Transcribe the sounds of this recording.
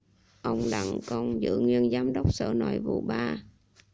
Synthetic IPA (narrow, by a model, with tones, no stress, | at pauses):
ʔə˧wŋ͡mɗa˧˩ŋkɔ˧˩nzɨ̰˧˥ŋwi˧ənzaː˨˦mɗə˦˥wk͡p̚sə̰ː˧˩nɔ˧˩jvṵ˨˩ɓaː˧